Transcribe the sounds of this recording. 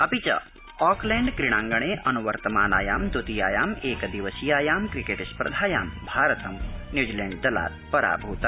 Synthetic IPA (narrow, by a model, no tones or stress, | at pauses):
ɐpit͡ʃɐ̰ | ɔːklẽːɳɖkɾiɳ̃aːŋɡɐɳ̃eːʔɐnuʋɐɾt̪ɐmaːnaːjaːmd̪ut̪ijaːjaːmeːkd̪iʋɐsijaːjaːmkɾikeːʈɐspɾɐ̰d̪ʱaːja̰ːmbʱaːɾɐt̪ʰɐmnjuːd͡ʒileːɳɖ̚d̪ɐla̰ːt̪̚pɐɾa̰ːbʱuːt̪ɐ